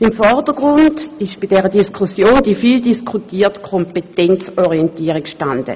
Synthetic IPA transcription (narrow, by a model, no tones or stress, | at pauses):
imfɔʁdəɡ̥ʁʊndɪʃb̥idɛːʁədiskʰusjoːndifildiskʰutiːɐtkʰompetɛnt͡soʁientiːəʁikʃtandə̰